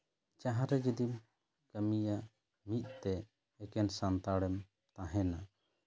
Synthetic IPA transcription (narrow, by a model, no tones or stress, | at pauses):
t͡ʃaɦaɾɛd͡ʒid̪im | kəmija | mit̪̚ˀt̪ɛː | kɛnsant̪aɽɛm | t̪ãɦɛna